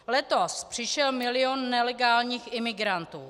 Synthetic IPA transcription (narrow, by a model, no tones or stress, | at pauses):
lɛt̪ospr̝̥ɪʃɛlmɪlɪonːɛlɛɡaːlɲiːxʔɪmɪɡɾant̪uː